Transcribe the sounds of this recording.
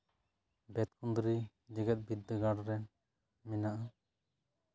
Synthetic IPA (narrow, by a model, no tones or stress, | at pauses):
bɛt̪kʰund̪ɾi | d͡ʒɛɡɛt̪̚bid̪ːəɡaɽɾɛn | mɛnaʔa